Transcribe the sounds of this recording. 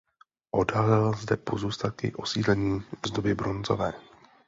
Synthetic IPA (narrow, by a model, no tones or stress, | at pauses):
ʔo̞dalɛlzdɛpo̞zuːst̪at̪̚kɪ̰ʔo̞siːdlɛɲiːvzdobɪbɾo̞nzo̞̰vɛː